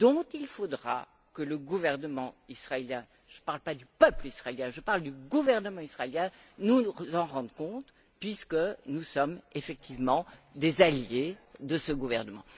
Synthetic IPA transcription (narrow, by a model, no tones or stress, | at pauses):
d̪̥ɔ̃t̪ilfod̪ʁa̰ | kələɡuvɛʁnəmɑ̃isχaeljɛ̃ | ʒ̥əpaʁlpad̪ypœplisχaeljɛ̃ʒəpaʁld̪yɡuvɛʁnəmɑ̃isχaeljɛ̃nuzɑ̃ʁɑ̃d̪kɔ̃t̪ | pɥiskənusɔmefɛk̚t̪ivmɑ̃d̪ezaljed̪əsəɡuvɛʁnəmɑ̃